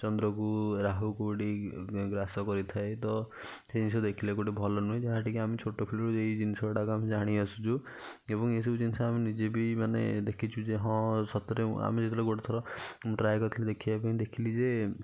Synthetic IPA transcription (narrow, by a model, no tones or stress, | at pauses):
t͡ʃɔnd̪ɾɔkuɾaɦukuʈiɡɾasɔkɔɾit̪ʰaet̪ɔ | sed͡ʒinisɔd̪ekʰilekoʈibʱɔlɔnuɦĩd͡ʒaɦaʈikiamit͡ʃʰoʈɔpʰilɾuejd͡ʒinisɔbaʈakɔamid͡ʒaɽ̃iɔsu̥t͡ʃʰu | ebɔŋes̬ɔbud͡ʒinisɔaminid͡ʒebimanḛd̪ekʰit͡ʃʰud͡ʒeɦɔ̃sɔt̪ɔɾea̰mid͡ʒet̪iɾɔɡoʈɔt̪ʰɔɾɔmuʈɾajkɔt̪ʰiled̪ekʰibapaĩd̪ekʰilid͡ʒe